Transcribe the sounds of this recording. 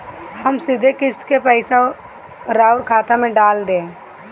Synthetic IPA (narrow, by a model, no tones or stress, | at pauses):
həmsɪd̪ʱekɪst̪kepɛɪsa | ɾaːʊɾkʰaːt̪amẽɖaːld̪ẽː